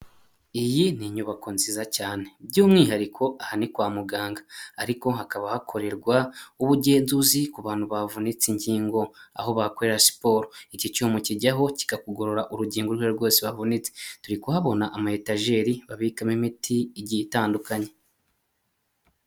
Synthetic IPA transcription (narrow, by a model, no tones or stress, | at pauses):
ijiniɲuβakonzizacaːne̞b̚ɟuːmŋiːɦaɾikʰo̞ʔahanikwaːmuɡaːŋɡaːɾiko̞ɦakaβahakʰo̞ɾe̞ɾɡwauβuɟe̞ːnzuzikuβaːn̥huβavunit͡siɲɟiːŋɡo̞a̰ho̞βako̞ɾe̞ɾasi̥po̞ːɾoicicumuciɟaɦo̞ci̥ɡakuɡo̞ɾoɾaʔuɾuɟiːŋɡoɾweɾɡwo̞ːseβavunit͡setuɾikuhaβo̞naʔamahetaʒe̞ɾiβaβiːkamimitʰiɟitaːndukaɲe